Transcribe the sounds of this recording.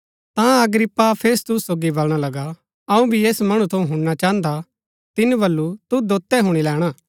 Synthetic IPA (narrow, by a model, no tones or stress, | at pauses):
t̪ãɐɡɾɪpːapʰeːst̪ʊsːoːɡibɐlɽ̃alɐɡa | ɐũbʱieːsmɐɽ̃ut̪ʰɐ̃ũɦʊ̃ɽnat͡ʃaːənd̪a | t̪ɪnũbɐlːut̪ud̪oːt̪ːɛɦʊɽ̃ilɛːɽ̃aː